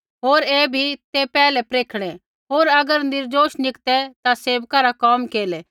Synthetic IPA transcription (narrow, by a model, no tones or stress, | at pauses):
ɦoːɾeːbʱit̪epɛːlɛpɾeːkʰɽ̃ɛ | ɦoːɾɐɡəɾnɪɾd͡ʒoːʃnɪkt̪ɛt̪aseːʋkaɾakɔːmkeːlɛ